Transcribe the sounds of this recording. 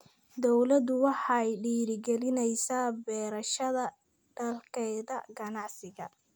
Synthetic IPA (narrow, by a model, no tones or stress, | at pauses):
d̪ɔwlɐd̪ʊwɑħɑjɖiːɾɪɡɛlɪnɛjsaːbɛːɾɐʃɐðɐ | ɖ̥ɐlkʰɛːðɐɡɐnɑʕsɪɣɐ̰